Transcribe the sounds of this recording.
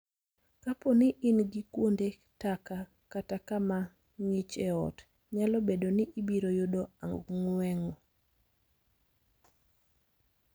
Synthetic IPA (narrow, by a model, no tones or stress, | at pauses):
kaponɪʔɪnɡikwonde | taka | katakama | ŋit͡ʃeɔ̰t | ɲalɔbedonɪʔibiɾojʊdoaŋɡuŋwɛŋɔ